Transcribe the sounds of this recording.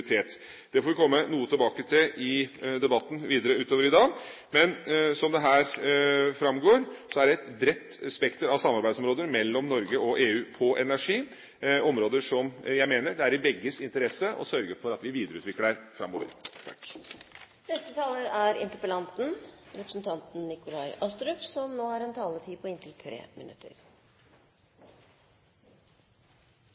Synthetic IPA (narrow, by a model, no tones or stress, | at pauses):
ɾɪt̪ʰeːt̪ | d̪̥ɛfoːɾʋɪkʰɔmːənuːət̪ʰɪlbɑːkət̪ʰɪlɪd̪ɛbɑt̪ːn̩ʋiːd̪əɾəʉːt̪oːʋəɾɪd̪ɑː | mɛnsɔmd̪ɛɦæːɾfɾɑmɡoːɾsɔæɖɛɛt̪bɾɛt̪ːspɛkt̪əɾɑʋsɑmːɑɾbæɪsɔmɾoːd̪əɾmɛlːɔmnɔɾɡəɔʔeːʉːpʰɔʔɛnæʂiː | ɔmɾoːd̪əʂɔmjæɪmeːnəɖɛæɾɪbɛɡːəsɪnt̪əɾɛsəʔɔ̰sœɾɡəfɔɾɑt̪ʋɪʋiːd̪əɾəʉːt̪ʋɪkːəæɾfɾɑ̰mːoːʋə̰ɾt̪ʰɑk | nɛst̪ət̪ʰɑːləɾæɾɪ̰nt̪əpəlɑnt̪n̩ɾɛpɾəsn̩t̪ʰɑnt̪n̩nɪkʊlɑɪʔɑst̪ɾʉpsɔmnoːæɾɛnt̪ʰɑːlət̪ʰiːpʰɔɪnt̪ʰɪlt̪ʰɾḛːmɪ̰nʉ̰t̪ʰːə̰ɾ